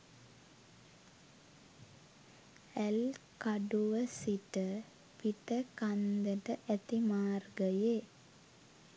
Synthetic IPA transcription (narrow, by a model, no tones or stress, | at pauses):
elkaɖuʋəsiʈə | piʈəkand̪əʈəʔæt̪imaːrɡəje